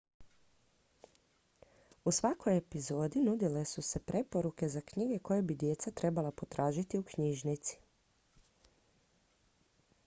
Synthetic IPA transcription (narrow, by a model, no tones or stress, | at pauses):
usʋako̞je̞pizo̞ːd̪inud̪ile̞suse̞pɾe̞po̞ɾuke̞zakɲiɡe̞ko̞jebid̪je̞t̪sat̪ɾe̞balˠapo̞t̪ɾaːʒit̪iukɲiʒnit̪si̥